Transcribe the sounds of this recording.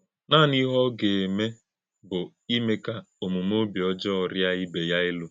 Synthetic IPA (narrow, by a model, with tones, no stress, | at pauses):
naː˦˨ni˦ɦɔ˦ɡe˨e˨me˦ | bʊ˨ | i˦me˦ka˦ | o˨mu˨m˦o˦bjɔ˦d͡ʒɔ˦ɔ˨ɾja˦i˦be˨ja˦ɪ˦lʊ˦